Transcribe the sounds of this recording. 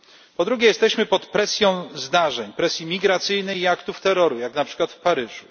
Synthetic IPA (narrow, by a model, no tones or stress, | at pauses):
pɔd̪ɾuɡʲɛjɛst̪ɛɕmɘpɔt̪pɾɛsʲjɔ̃w̃zd̪aʐɛɲpɾɛsʲjimʲiɡɾat̪sɘjnɛjiakt̪uft̪ɛɾɔɾujaknapʂɘ̥kwat̪fpaɾɘʐu